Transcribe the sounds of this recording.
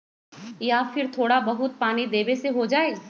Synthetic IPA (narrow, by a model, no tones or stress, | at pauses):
jafɪɾt̪ʰoːɽabɐɦʊt̪̚paːnid̪eːbeseɦod͡ʒaːe